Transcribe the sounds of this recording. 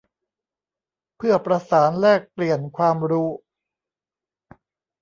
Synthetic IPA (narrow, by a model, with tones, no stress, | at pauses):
pʰɯ˥˩əpɾa˧saː˩˦nlɛː˥˩k̚pli˨˩ənkʰwaː˧mɾuː˦˥